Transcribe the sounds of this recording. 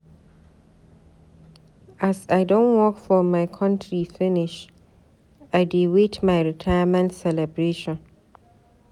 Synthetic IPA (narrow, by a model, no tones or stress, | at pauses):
ʔasaɪdɔ̃nwɔkfɔmaɪkʰʌ̃ntʰɹifɪnɪʃ | ʔaɪdewetʰmaɪɹitʰajmɛ̃ntsɛlɛbɹeːʃɔ̃n